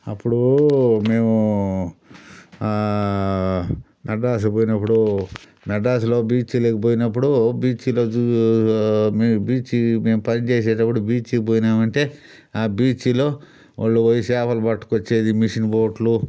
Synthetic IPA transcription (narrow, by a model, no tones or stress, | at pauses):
ɐpːuɽume̞ːmu | nɐɖaːs̬upoːjinɐpːuɽu | nɐɖaːs̬ulo̞ːbiːt͡ʃːilɐkipoːjinɐpːuɽubiːt͡ʃiloːu | mbiːt͡ʃimeːmpɐnit͡ʃeːs̬ɛːʈɐpːuɽubiːt͡ʃipoːjinaːmɐɳʈe̞ː | aːbiːt͡ʃilo̞ː | ʔa̰ːɭːuɐjisaːpɐlubɐʈːu̥kot͡ʃːe̞ːd̪imiʂinboːʈlu